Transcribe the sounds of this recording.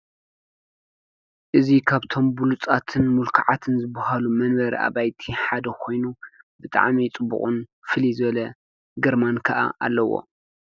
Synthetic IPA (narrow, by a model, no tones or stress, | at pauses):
ʔɨzikʰaβt̪ʰo̞mbulut͡sʼat̪ʰɨnmulkʰaʕat̪ʰɨnzɨbɐhalumɐnbɐɾḭʔa̰βajt̪ʰiħad̪ɐkʰo̞jnubɨt̪ʼa̰ʕmit͡sʼɨbṵχʼunfɨlizɨβɐlɐ | ɡɐɾmankʰɐʔa̰ʔa̰lːɐwo̰